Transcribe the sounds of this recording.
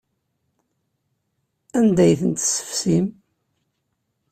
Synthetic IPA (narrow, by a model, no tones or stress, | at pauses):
ænd̪æjθənt̪sə̥fsim